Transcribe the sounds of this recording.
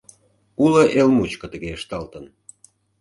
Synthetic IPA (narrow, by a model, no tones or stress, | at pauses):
uləʔelmut͡ɕkə̆t̪əɣeəʃt̪ɑlt̪ən